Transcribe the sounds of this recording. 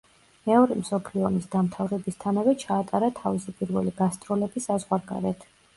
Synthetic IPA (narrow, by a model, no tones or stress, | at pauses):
mɛɔɾimsɔpʰliɔmisd̪amt̪ʰavɾɛbist̪ʰanavɛt͡ʃʰaːt̪ʼaɾat̪ʰavisipʼiɾvɛ̰liɡast̪sʼɾɔlɛbisazʁwaɾɡa̰ɾɛt̪ʰ